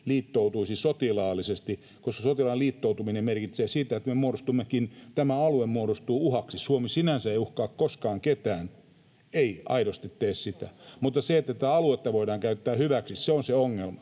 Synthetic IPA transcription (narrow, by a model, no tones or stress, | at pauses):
liːt̪ːout̪uisisot̪ilɑːlːisest̪i | koskɑsot̪ilɑːliːt̪ːout̪uminemerkit̪seːsiːt̪æet̪memuoɾost̪umːekint̪æmæɑluemmuoɾost̪uːuhɑksisuomisinænsæeiuhkɑːkkoskɑːŋket̪æːn | eiɑ̰iɾost̪it̪t̪eːssit̪æ̰mut̪ːˑɑseet̪ːæt̪t̪æɑluet̪ːɑʋoidɑːŋkæyt̪ːæːhyʋæksisseonseoŋːelmɑ